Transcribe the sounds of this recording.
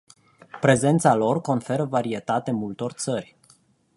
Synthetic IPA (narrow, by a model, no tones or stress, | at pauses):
pɾe̞ze̞nt̪salo̞rko̞nfe̞ɾəvaɾie̞t̪at̪emult̪o̞rt̪sərʲ